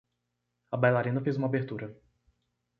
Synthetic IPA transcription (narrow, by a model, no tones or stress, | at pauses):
ɐbajlaɾẽnɐfejzũmɐabeɾt̪uɾɐ